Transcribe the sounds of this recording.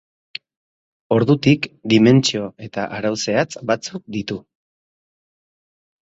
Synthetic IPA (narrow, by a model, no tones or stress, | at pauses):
o̞ɾðut̪ikd̪ime̞nt͡ʃio̞e̞t̪aʔaɾawse̞at͡sbat͡suk̚d̪it̪u